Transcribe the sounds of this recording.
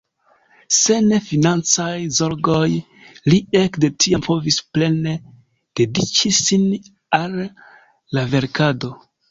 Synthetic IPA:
se̞ne̞finant͡sajzo̞ɾɡo̞j | lie̞kde̞tʰiampo̞visple̞ne̞ | d̥edit͡ʃisin | alː | ave̞ɾkado̞

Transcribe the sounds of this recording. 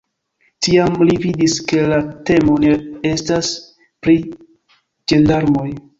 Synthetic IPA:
tiamlividiske̞late̞mo̞nee̞stas | pɾi | d͡ʒe̞ndaɾmo̞j

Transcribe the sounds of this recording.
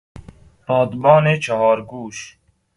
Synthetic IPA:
pɑːd̪bɑːneːt͡ʃʰaɦɑːɾɡuːɕ

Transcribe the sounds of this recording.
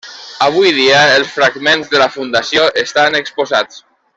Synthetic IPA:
aβ̞ujðiəəlˠsfɾaɡmenzðəlafund̪asjoʔəst̪anəkspuzat͡s

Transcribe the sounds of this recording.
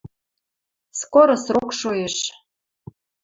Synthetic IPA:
skoɾosrokʃojeʃ

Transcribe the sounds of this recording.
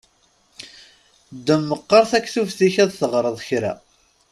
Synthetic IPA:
d̪ːəmːəqːɑɾˤθækːθufθiçæðθəʁɾˤəðˤçɾæ̰

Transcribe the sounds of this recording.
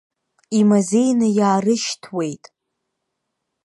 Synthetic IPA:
imazejnɨjaːrɨʃtʰwe̞jtʼ

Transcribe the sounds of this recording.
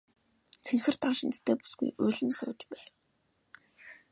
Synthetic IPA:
t͡sʰeŋxɘ̆r̥t̪ʰaʃĭnt̪t̪ʰeːpu̥sɡṵjɵɮʲɘ̆nsʊ̰ːt͡ɕpæːw

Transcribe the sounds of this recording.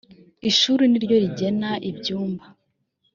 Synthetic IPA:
iʃuːɾiniɾɟo̞ɾiɟe̞naʔibɟuːmba

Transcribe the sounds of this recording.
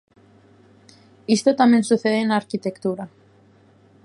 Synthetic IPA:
ist̪ot̪amjensuθeðenaɾkit̪ekt̪uɾa

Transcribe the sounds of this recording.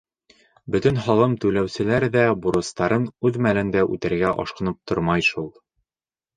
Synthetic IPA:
bɵt̪ɵnhɒlˠɤmt̪ʉlæwsɘ̆læɾðæbuɾɤ̆st̪ɑɾɤnʉðmælɘ̆nd̪æʔʉ̰t̪ɘ̆ɾɡæʔɒ̰ʃqɤ̆nɤp̚t̪ʰoɾmɑjʃulˠ

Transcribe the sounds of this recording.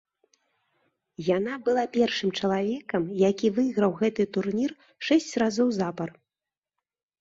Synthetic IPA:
janabɨlˠapʲɛrʂɨmt͡ʂɐlˠavʲɛkɐmjakʲivɨɣɾɐwɣɛt̪ɨt̪urnʲir | ʂɛsʲt͡sʲrazɔwzapɐr

